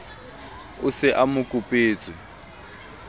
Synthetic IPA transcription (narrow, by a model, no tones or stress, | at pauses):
ʊsɪʔamʊkʼʊpʼeːt͡sʼwɪ